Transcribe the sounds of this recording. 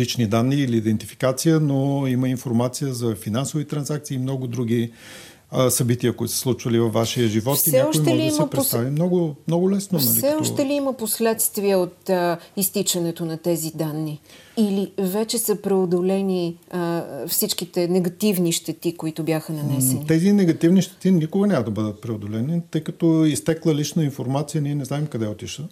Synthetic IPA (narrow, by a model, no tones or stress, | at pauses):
it͡ʃnid̪anːiːliːd̪ɛnt̪ifi̥kat̪sijənoiməinfoɾmat̪sijəzɐfinansovit̪ɾɐnzak̚t̪iːmnɔɡʊd̪ɾuɡʲi | sɐbit̪iəkʊit̪ʊsslˠut͡ʃvəlivɐfːaʃiəʒivɔtt̪iɲɛaɔʃoj̪ɛlliiməpɾst̪avimnɔɡʊmnɔɡʊlɛsnonɐsɛɔʃt̪ɛliiməposlɛt̪st̪viəot̪əist̪it͡ʃɐnɛt̪onɐt̪ɛzid̪anːi | ilivɛt͡ʃɛsəpɾɛod̪olɛni | fsit͡ʃk̟it̪ɛnɛɡɐt̪ivniʃt̪ɛt̪ikoit̪ʊbjaxənɐnɛsɛnit̪ɛzinɛɡɐt̪ivniʃt̪ɛ̥t̪inikʊɡənʲaməd̪ɐbəd̪ət̪̚pɾɛod̪olɛnit̪ɤjkɐt̪ɔist̪ɛklˠəlit͡ʃnəinfoɾmat̪sijəniɛnɛznaɛmkɐd̪ɛot̪iʃə